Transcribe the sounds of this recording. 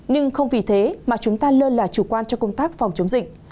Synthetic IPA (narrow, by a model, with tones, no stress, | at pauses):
ɲɨ˧ŋxə˧wŋ͡mvi˨˩t̪ʰe˨˦maː˨˩t͡ɕʊ˨˦ŋ͡mt̪aː˧ləː˧nlaː˨˩t͡ɕu˧˩kwaː˧nt͡ɕɔ˧kə˧wŋ͡mt̪aː˦˥k̚fŋ͡mt͡ɕə˨˦wŋ͡mzḭ̈˨k̟̚